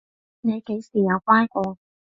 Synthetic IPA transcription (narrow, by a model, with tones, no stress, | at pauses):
ne˨˧jke˨˥jsiː˨˩jɐ˨˧wkʷaː˥nkɔː˧